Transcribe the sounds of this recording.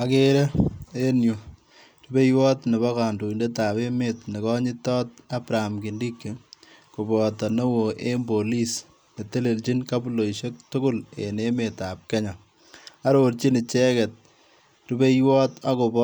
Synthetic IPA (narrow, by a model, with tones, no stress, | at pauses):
a˨ke˦ɾe˦e˦nju˨ | tu˦be˦jwɔː˦tne˨βɔ˦ka˨ndu˨i˨nde˦ta˨βe˦metne˨kɔ˦ɲɪ˦tɔː˦t̚a˦pɾa˨mki˨ndi˦kːi˨ | ku˨bɔ˨tɔ˨no˦wo˨ʔe˦mbo˨li˦s | ne˨te˦le˨lt͡ʃi˦nka˦pu˦lo˨iʃe˦k̚tʊ˦kʊ˦lḛ˨ne˦me˨ta˨p̚kɛ˦ɲa˨ | a˦ɾo˨ɾt͡ʃi˦nɪ˨t͡ʃɛ˦kɛ˨t̚ | ɾu˦be˦jwɔ˦ta˦ko˨bɔ